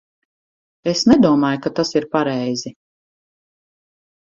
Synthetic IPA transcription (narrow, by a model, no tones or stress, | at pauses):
esnɛd̪uɔmaːjukat̪asiɾpaɾɛjzi